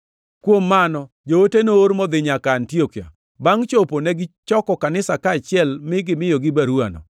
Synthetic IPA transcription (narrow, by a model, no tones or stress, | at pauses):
kwomːanɔ | d͡ʒootenooɾmɔd̪ɪɲakaːntiokja̰ | baŋt͡ʃoponɛɡɪt͡ʃɔkɔkanɪsakaːt͡ʃɪɛlmɪɡɪmɪjɔɡɪbaɾwanɔ̰